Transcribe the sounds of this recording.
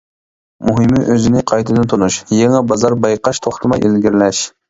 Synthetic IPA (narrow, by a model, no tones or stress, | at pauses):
muɦɪmɪʔøzɪnɪqʰɑjt̪ʰɨd̪ɨnt̪ʰonuʃjeŋɛbɑzɑɾbɑjqɑʃt̪ʰoχt̪ʰɨmɑ̰jʔelɡʲiɾlɛʃ